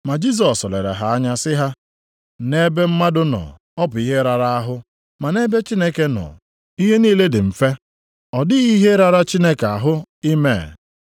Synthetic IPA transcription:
ma˨d͡ʒi˦s̬ɔ˨sɔ˨le˨ɾḛ˨ɦa˨a˦ɲa˦sɪ˦ɦa˦ | ne˦be˦m̩˦ma˦dʊ˦nɔ̰˨ | ɔ˦pʊ˨i˦ɦe˦ɾa˨ɾa˦a˦ɦʊ˦ | ma˨ne˦be˦t͡ʃi˦ne˦ke˦nɔ̰˨ | i˦ɦe˦niː˦le˦dɪ˨m̩˨fe˦ | ɔ˨dɪ˦ɣi˦ɦe˦ɾa˦ɾa˦t͡ʃi˦ne˦ke˨a˨ɦʊ˦i˦me˦˨

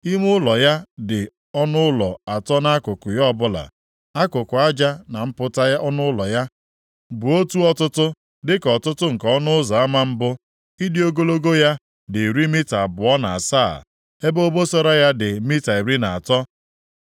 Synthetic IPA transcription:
i˦m˦ʊ˦lɔ˨ja˦dɪ˨ | ɔ˦nʊ˦ʊ˦lɔ˨a˨tɔ˦na˦kʊ˨kʊ˨jɔ˦˨bʊ˦la̰˨ | a˦kʊ˨kʊ˨a˦d͡ʒa˦na˨m̩˦pʊ˦ta˦a˦ɔ˦nʊ˦ʊ˦lɔ˨ja˦ | bʊ˨o˦tu˦ɔ˦tʊ˦tʊ˦ | dɪ˦kɔ˨tʊ˦tʊ˦ŋ̩˨kɔɔ˦nʊ˦za˨a˦ma˦m̩˦bʊ˦ | i˦dɪ˦o˦ɡo˦lo˦ɡo˦ja˦ | dɪ˨ɾi˦mi˦ta˨bʊ˨ɔ˦na˨a˨saː˦˨ | e˦bo˦bo˦sɔ˦ɾa˦ja˦dɪ˨mi˦ta˨i˨ɾi˦na˨a˨tɔ˦

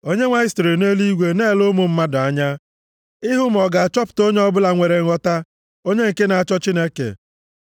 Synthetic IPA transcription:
o˦ɲe˦ŋʷa˦ɪ˦sto˨ɾe˨ne˦li˦ɡʷe˨ne˦˨lʊ˦mʊ˨m̩˦ma˦dʊ˨a˦ɲa˦ | ɪ˦ɦʊ˦m̩˨ɔ˨ɡa˨a˨t͡ʃɔ˦pʊ̥˨to˦ɲe˦ɔ˦bʊ˦la˨ŋʷe˨ɾe˨ŋ˦ɔ˦ta˦ | o˦ɲe˦ŋ̩˨ke˦na˨a˨t͡ʃɔ˦t͡ʃi˦ne˦kḛ˨

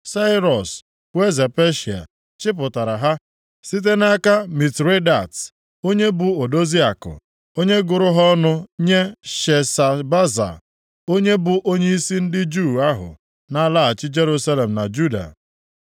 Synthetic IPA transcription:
sa˦ɪ˦ɾɔ˨s | we˦ze˨pe˦ʃi˨a̰˨ | t͡ʃɪ˦p̬ʊ˨ta˨ɾa˨ɦa˦ | si˦t̬e˦na˦ka˦mi˨tɾe˦da˨t | o˦ɲe˦bʊ˨o˨do˦zi˦a˨kʊ̰˨ | o˦ɲe˦ɡʊ˨ɾʊ˦ɦɔ˦nʊ˦ɲe˦ʃe˨sa˨ba˦za̰˨ | o˦ɲe˦bʊ˨ʔo˦ɲe˦i˦si˦n̩˦dɪ˦d͡ʒu˦˨a˦ɦʊ̰˨ | na˦la˦a˨t͡ʃɪ˦d͡ʒe˦ɾu˦sa˦le˨m̩˨na̰˨d͡ʒu˦da̰˨

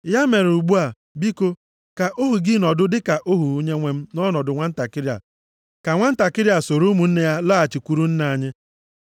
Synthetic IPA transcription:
ja˦me˨ɾu˨ɡ͡bu˦a˨ | bi˦ko˦ | ka˨ʔo˦ɦu˨ɡi˦nɔ˨dʊ˦dɪ˦ka˨ʔo˦ɦu˨u˦ɲe˦ŋʷe˦m̩˦nɔ˦nɔ˨dʊ˨ŋʷa˦n̩˦ta˨kɪ˦ɾja̰˨ | ka˨ŋʷa˦n̩˦ta˨kɪ˦ɾja˨so˨ɾu˦mu˨n̩˦ne˦ja˦la˦a˨t͡ʃi˨kʷu˦ɾu˦n̩˦na˨ɲɪ˦

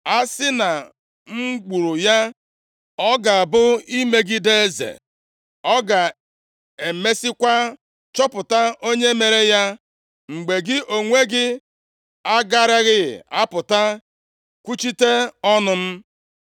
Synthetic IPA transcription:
a˦sɪ˦na˨ | ŋ͡m̩˦ɡ͡bu˨ɾu˨ja˦ | ɔ˦ɡa˨bʊ˦i˦me˦ɡɪ˦de˦zḛ˨ | ɔ˦ɡa˨ | e˨me˦sɪ˦kʷa˦ | t͡ʃɔ˦pʊ˨ta˦ʔo˦ɲe˦me˨ɾe˦ja˦ | ŋ͡m̩˨ɡ͡be˨ɡɪ˦ʔo˨ŋʷe˦ɡɪ˦ | a˦ɡa˦ɾa˦ɣɪ˦ɪ̰˨a˦pʊ˨ta˦ | kʷu˦t͡ʃi˦te˦ɔ˦nʊ˦m̩˦

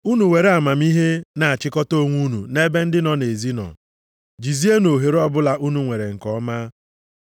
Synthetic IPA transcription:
u˦nu˨we˨ɾe˦a˨ma˨m˦i˦ɦe˦na˨a˨t͡ʃɪ˦kɔ˦to˦˨ŋʷu˦nṵ˨ne˦be˦n̩˦dɪ˦nɔ˨ne˨zi˦nɔ̰˨ | d͡ʒi˨zi˦e˦no˨ɦe˨ɾɔ˦bʊ˦la˨ʔu˦nu˦ŋʷe˨ɾe˨ŋ̩˨kɔ˦ma˦

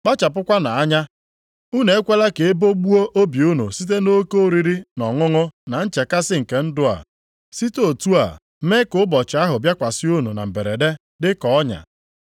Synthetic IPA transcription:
k͡pa˦t͡ʃa˨p̬ʊ˦kʷa˦na˨a˦ɲa˦ | u˦ne˨e˦kʷe˦la˦ke˨e˦bo˦ɡ͡bu˦o˦ʔo˦bi˨u˦nṵ˨si˦t̬e˦no˦ko˦ɾi˦ɾi˦nɔ˨ŋʊ˦ŋʊ˦na˨n̩˦t͡ʃe˨ka˦sɪ˦ŋ̩˨ke˨n̩˦dʊ˦a̰˨ | si˦to˨tu˦a̰˨˦ | me˦kʊ˨˦bɔ˨t͡ʃɪ˨a˦ɦʊ˨bja˦kʷa˨si˦u˦nu˨na̰˨m̩˨be˨ɾe˨de˦ | dɪ˦kɔ˨ɔ˦ɲa̰˨

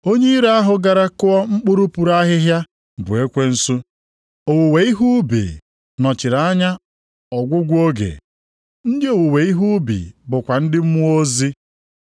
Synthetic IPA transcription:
o˦ɲe˦i˦ɾa˦a˦ɦʊ˨ɡa˨ɾa˦kʊ˦ɔ˦ŋ͡m̩˦k͡pʊ˦ɾu˦pu˨ɾa˦ɦɪ˦ɦja˦ | bʊ̰˨e˦kʷe˦n̩˦su˦ | o˨wu˨we˨i˦ɦu˦bḭ˨ | nɔ˨t͡ʃɪ˨ɾa˦ɲa˦ | ɔ˨ɡʷʊ˦ɡʷo˦ɡḛ˨ | n̩˦dɪ˦o˨wu˨we˨i˦ɦu˦bḭ˨bʊ˨kʷa˨n̩˦dɪ˦m̩˦mʊ˦o˦zi˦

